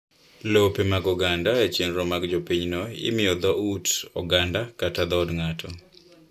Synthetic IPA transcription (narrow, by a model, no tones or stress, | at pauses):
lopemaɡɔɡandaet͡ʃenɾɔmaɡd͡ʒopiɲnɔɪ̰mɪɔd̪ɔutɔ̰ɡandakatad̪ɔdŋatʰɔ